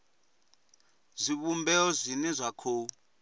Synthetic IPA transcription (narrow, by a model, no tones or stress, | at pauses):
zʷiβumbɛɔzʷinɛzʷakʰoːu